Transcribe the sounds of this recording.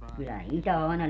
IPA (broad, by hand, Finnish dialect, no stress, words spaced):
kylːæ itæ ɑˑenɑ